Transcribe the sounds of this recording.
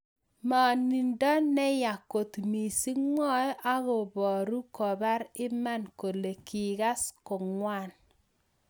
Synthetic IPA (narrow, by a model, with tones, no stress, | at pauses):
ma˨ni˨ndɔ˦nɛ˦ja˨ko˨t̪mi˨si˦ŋɔ˦ʔa˦ɣo˨bɔ˨ɾu˦kɔ˨ba˦ɾɪ˦ma˦nko˨le˨ki˨ɡa˦skɔ˨ŋwa˦˨n